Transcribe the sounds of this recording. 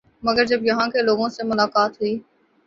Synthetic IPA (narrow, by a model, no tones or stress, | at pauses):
mɐɡəɾd͡ʒɐbjɐɦãkeloːɡõsemʊlaːkaːt̪ɦuiː